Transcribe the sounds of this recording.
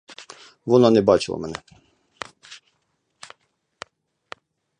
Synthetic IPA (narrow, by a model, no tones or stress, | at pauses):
vɔnanɛbat͡ʃʰɛ̰lɔ̰mɛnɛ̰